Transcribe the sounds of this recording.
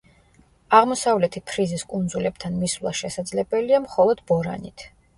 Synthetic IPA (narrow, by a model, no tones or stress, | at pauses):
aʁmɔsavlɛt̪ʰikʰɾiziskʼund̪zulɛb̚t̪ʰanmislˠa̰ʃɛsad̪zlɛbɛliamχɔlˠɔd̪̥bɔɾa̰nit̪ʰ